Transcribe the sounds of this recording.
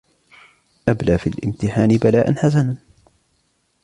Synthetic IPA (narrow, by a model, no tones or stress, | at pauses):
ʔablaːfḭlʔɪ̰mt̪ɪħaːnɪbalaːʔanħas̬anan